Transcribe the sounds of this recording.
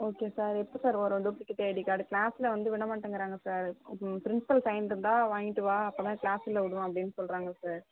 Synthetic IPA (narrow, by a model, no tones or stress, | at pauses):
oːkeːsaːɾɛpːɐsaːɾoːɾõɖuːplɪkːɪʈ̪eːɽikːaːɽɯklaːsɪlɐʋɐnd̪ɯʋɪɳɐmaːʈːɐŋɡɪɾaːŋɡɐsaːɾpɪɾɪnsɪ̥pɐlsɐɪnɾɯnd̪ãːʋaːŋɡɪʈːɯʋaːɐpːɐːt̪ãːklaːsɪlɐʊɽɯʋãːɐpɐɽɪnːɯsɔlɾaːŋɡɐsaːɾ